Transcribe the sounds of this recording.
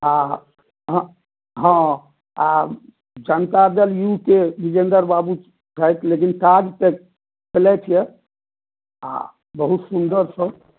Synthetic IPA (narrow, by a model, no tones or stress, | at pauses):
a | ɦ | ɦə̃ | a | d͡ʒənt̪ad̪əljukebid͡ʒend̪əɾbabu | t͡ʃʰəjt̪ʰlekint̪ad͡ʒt̪e | pəlɛt͡ʃ̪ʰijɛ | a̰ | bəɦut̪sund̪əɾsə̃